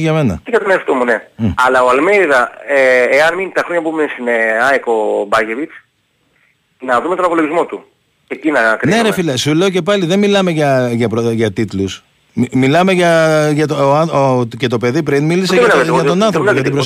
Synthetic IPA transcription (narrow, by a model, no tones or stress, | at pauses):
ʝɐme̞nɐ̰cejɐt̪oneɐft̪omune̞ɐlɐoɐlmeiðɐeeɐnmint̪ɐxɾo̞ɲɐpumensineɐekobɐʝe̞vit͡s | nɐðumet̪o̞nɐpo̞lo̞ʝizmo̞t̪u | cecinɐkɾineɾefilɐsule̞o̞ce̞pɐliðe̞nmilɐme̞ʝɐʝɐpɾoʝɐt̪it̪lus | mimilɐme̞ʝɐʝɐt̪oɐce̞t̪o̞pe̞ðipɾinmilisenɐeɐt̪o̞nɐnθɾopoɐt̪ibɾos